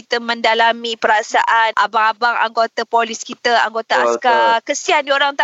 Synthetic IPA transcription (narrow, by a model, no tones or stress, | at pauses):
it̪əmə̃ndalamĩpəɾasaʔanʔa̰baŋabaŋa̰ŋɡot̪apoliskit̪aa̰ŋɡot̪aaskakəsiandioɾaŋt̪a